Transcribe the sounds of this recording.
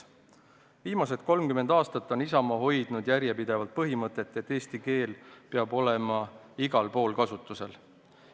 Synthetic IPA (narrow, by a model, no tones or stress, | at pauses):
viːmɑs̬e̞t̪̚ko̞lmkyme̞nd̪̥ɑːst̪ɑt̪ːˑo̞nisɑmɑɦo̞jd̪̥nud̪̥jæɾjepid̪̥e̞vɑlt̪̚pɤɦimɤt̪ːˑe̞t̪ːˑe̞t̪ːe̞ːst̪ike̞ːlpeɑbo̞le̞mɑ | iɡɑlpo̞ːlkɑsut̪ːˑuse̞l